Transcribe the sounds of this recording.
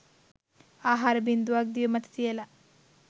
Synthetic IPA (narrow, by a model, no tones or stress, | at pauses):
aːɦaːɾɐbind̪uʋaːɡ̚d̪iʋɐmɐt̪ʰɐ̥t̪ijɐlɐ